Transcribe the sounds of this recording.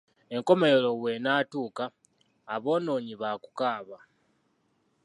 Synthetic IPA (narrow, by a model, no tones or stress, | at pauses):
e̞ŋko̞meelo̞we̞naːtuːkaː | βo̞ːno̞ːɲiβaku̥kaːβa